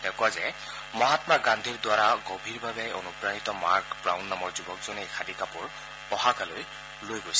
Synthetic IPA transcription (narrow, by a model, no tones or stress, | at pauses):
dɛkʊwazɛ | mɔɦatmaɡand̪ʱiɹdwaɹaɡobʱiɹbabɛɔnupɹanitɔmaɹkbɹawnːamɔɹzubɔkzɔnejkʰadikapʊɹ | ɔɦakaloj | lojɡojsɛ